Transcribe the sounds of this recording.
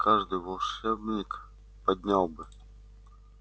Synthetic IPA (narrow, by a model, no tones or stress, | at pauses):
kʰaʐd̪ɨjvɐlˠʂɛbnʲɪk | pɐd̪ʲnʲalˠbɨ